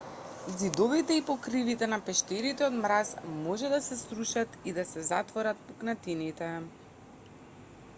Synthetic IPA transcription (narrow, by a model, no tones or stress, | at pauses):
zid̪ɔvit̪ɛipɔkɾivit̪ɛnapɛʃt̪ɛɾit̪ɛod̪mɾasmɔʒɛd̪asɛsɾuʃat̪id̪asɛzat̪vɔɾat̪̚pɔknat̪init̪ɛ